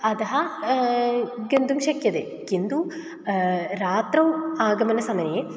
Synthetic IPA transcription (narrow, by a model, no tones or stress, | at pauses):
ɐd̪ɐɦɐ | ɡɐnd̪umɕɐkjɐd̪e | kind̪u | ɾaːt̪rɐwaːɡɐmɐnɐsɐmɐne